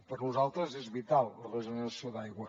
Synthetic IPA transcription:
pəɾnuzalˠt̪ɾəzɛzβit̪alˠlərəʒunənəsioðajɣwə

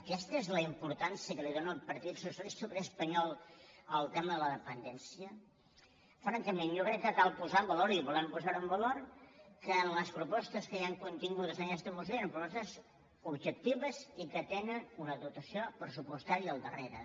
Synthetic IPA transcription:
əkɛst̪əezləimpuɾt̪ansiəkəliðonəlˠpəɾt̪it̪susəlissupɾəːspəɲɔlˠəlˠt̪ɛməðələðəpənd̪ɛnsiə | fɾaŋkəmenjokɾɛkːəkalˠpuzambəloɾiβuləmpuzaɾəmbəloɾkəːnləspɾupɔst̪əskəjaŋkunt̪iŋɡuðəzənkɛst̪əmusioenmpɾupɔst̪əz | ubʒək̚t̪iβəzikət̪enənunəðut̪əsiopɾəsupust̪aɾiəːlˠd̪əreɾə̰

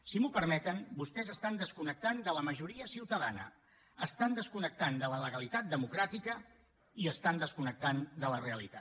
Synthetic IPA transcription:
simupəɾmɛt̪ənbust̪ɛzəst̪and̪əskunək̚t̪and̪ələməʒuɾiəsiwt̪əðanə̰ | əst̪and̪əskunək̚t̪and̪ələləɣəlit̪at̪̚d̪əmukɾat̪ikə | iəst̪and̪əskunək̚t̪and̪ələreəlḭt̪a

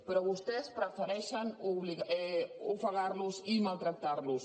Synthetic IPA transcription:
peɾɔβust̪ɛspɾafeɾɛʃanuβliɣɛufaɣaɾlusimalt̪ɾak̚t̪aɾlus

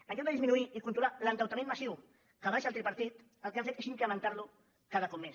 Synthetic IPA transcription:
əŋkɔd̪əðizminuiikunt̪ɾulalənt̪awt̪amenmasiw | kəβaʃalˠt̪ɾepɐɾt̪it̪ | əlˠkeafet̪esiŋkɾəmə̃nt̪aɾlu | kaðəkɔp̚mes

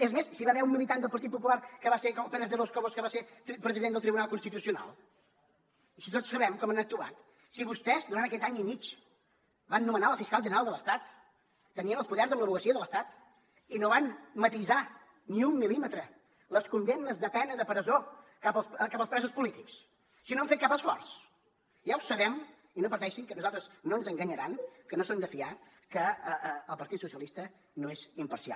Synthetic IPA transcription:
ezmessiβaβɛɾumːilit̪and̪əpəɾt̪it̪̚pupulaɾkəβasekɔpɛnəzðəɾloskoβoskəβaset̪pɾəziðend̪əlˠt̪ɾiβunalˠkunst̪it̪usiuna̰lˠ | isit̪otsːəβɛmkɔmənək̚t̪ua̰t̪ | siβust̪ɛzd̪uɾant̪əkɛt̪aɲimit͡ʃ | banːumənaləfiskalˠʒənəɾalˠd̪ələst̪at̪ː | əniənəlˠspuðɛrzəmbləβuɣəsiəðələst̪at̪ | inoβanmət̪iza | niumːilimət̪ɾə | ləskund̪emnəzðəpɛnəðəpɾəzokapəskapəlspɾɛzuspulit̪iks | sinoamfet̪̚kapəsfɔrs | ʒawsəβɛm | inopəɾt̪ɛʃiŋkənuzalˠt̪ɾəznoənzəŋɡəɲəɾankənosomd̪əfia | kəəəlˠpəɾt̪it̪susiəlˠist̪ə | noezimpəɾsia̰lˠ

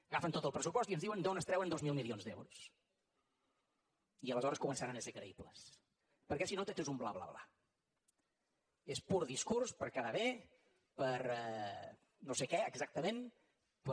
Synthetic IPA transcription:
ɣafənt̪ot̪əlˠpɾəs̬upɔsiənzðiuwənd̪onəst̪ɾɛwənd̪ozmilˠmilˠionzd̪ɛ̰wɾus | iələzɔɾəskumənsaɾanəsekɾəiplə̰s | pəɾkɛsinot̪et͡ʃ̪ezumbla̰βla̰βla̰ | espuɾðiskuɾspəɾkaðəβe | pəɾɛ | nosekɛəɡzak̚t̪əmẽn | p

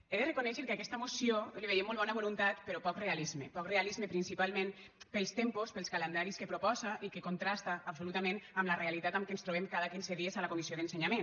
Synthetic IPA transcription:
eðerekunɛʃeɾkeakɛst̪əmusioliβejemolˠβɔnaβolunt̪at̪peɾɔpɔkrealizmepɔkrealizmepɾinsipalˠmẽn | pelˠst̪empospelˠskalend̪aɾiskepɾupɔzaʔikekunt̪ɾast̪aːpsulut̪amẽnamlarealit̪at̪amkenst̪ɾuβ̞emkaðakinseðiezalakumisioðenseɲamen

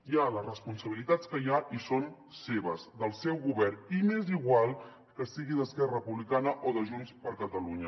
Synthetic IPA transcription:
jaləzrəspunsəβilit̪at͡skəjaʔison | seβəzd̪əlˠsɛwɣuβɛrnineziɣwalˠ | kəst̪iɣiðəskɛrəpuβlikanəʔoðəʒunspəɾkət̪əluɲə

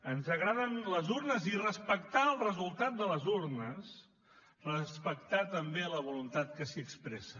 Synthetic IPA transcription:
ənzəɣɾaðənləzuɾnəzirəspəkt̪aəlˠrəzulˠt̪at̪̚d̪ələzurnəs | rəspək̚t̪at̪əmbeləβ̞ulunt̪at̪̚kəsiəkspɾɛsə

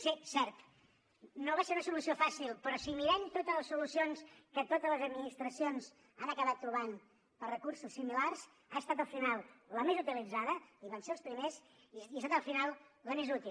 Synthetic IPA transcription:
sesɛɾt̪ | noβaseunəsulusiofasilˠpɾɔsimiɾɛmt̪ot̪əzləsulusionskət̪ot̪ələzəd̪minist̪ɾəsionz | anəkəβat̪ːɾuβ̞an | pərəkuɾsusːimilars | aəst̪at̪̬əlˠfinalˠləmezut̪ilid͡zaðəiβanseəlˠspɾimez | iəst̪at̪əlˠfinalˠləmezut̪il

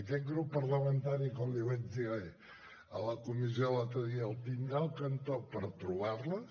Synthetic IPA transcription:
əkɛt̪̚ɡɾupːəɾləmənt̪aɾikɔmd̪iwɛzðie | ə̰ləkumiziolat̪əðiəlˠt̪ind̪ɾalˠkənt̪opəɾt̪ɾuβarlə

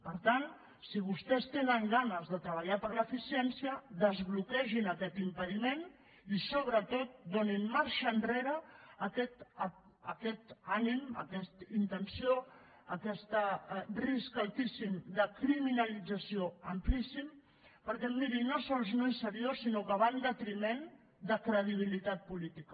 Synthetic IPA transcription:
pəɾt̪an | siβ̞ust̪ɛst̪enəŋɡanəzðət̪ɾəβ̞əʎapəɾləːfisiɛnsiəðəzβlukɛʒinəkɛt̪impəðimen | isoβ̞ɾət̪ot̪̚d̪oninmaɾʃəːnreɾəːkɛt̪ə | əkɛt̪animə̰kɛst̪int̪ənsio | əkɛst̪əriskalˠt̪isimd̪əkɾiminəlid͡zəsioəmplisim | pəɾkɛmmiɾinosɔlˠznoisəɾiosinokəβand̪ət̪ɾimɛn | d̪əkɾəðiβ̞ilit̪at̪̚pulit̪ikə

